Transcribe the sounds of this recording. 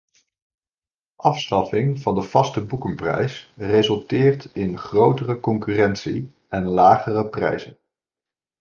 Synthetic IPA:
ʔɑfstɑfɪŋvɑndəv̥ɑstəbukəmprɛ̰jsrezɵlˠtɪːɹtɪnχrowtərəkɔŋkyːrɛntsi | ɛnlaːχərəprɛ̰jzən

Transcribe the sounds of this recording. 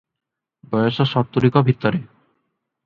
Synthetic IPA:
bɔjoʃɔʃɔɾt̪ːuɾikɔbʱit̪ːɔɾe

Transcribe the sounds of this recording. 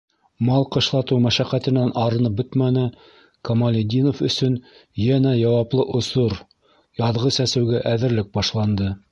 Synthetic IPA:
mɑlˠqɤ̆ʃlˠɑt̪ɤwmæʃæqæt̪ɘ̆nænʔɑɾɤ̆nɤp̚bɵt̪mænɘ | kɐmalʲɪd̪ʲinofɵ̆sɵnjænæjɑwɑplˠɤʔŏsoɾ | jɑðʁɤsæsɘ̆wɡæʔæðɘ̆ɾlɘk̚bɑʃlˠɑnd̪ɤ

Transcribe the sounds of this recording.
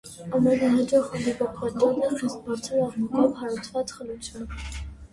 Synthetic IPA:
ɑmɛnɑɦɑd͡ʒɑχɔlivɔpʰʁɑt̪jɑnəχist̪̚bɑt͡sʰɛɾɑʁmukʰɔvɦɑɾut͡sʰvɑt͡sχəlut͡sʰjun

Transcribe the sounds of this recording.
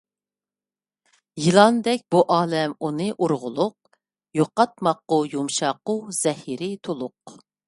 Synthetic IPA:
jilˠɑnd̪ɛk̚ʲbuʔɑːlɛmunɨʔuɾʁʊlˠʊq̚ | joqːɑt̪̚mɑtqːʊjumʃɑqːʊz̥ɛhiɾɪt̪ʰolˠʊq

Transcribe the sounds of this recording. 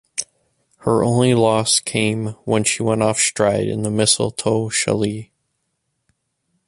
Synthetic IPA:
hə˞ʔõ̰ʊ̃nlilɔskʰẽɪ̃mwə̃nʃiwɛ̃ñɔfstɹ̥aɪɾɨ̰̃nðəmɪsl̩ˠtʰoʊʃə̰li

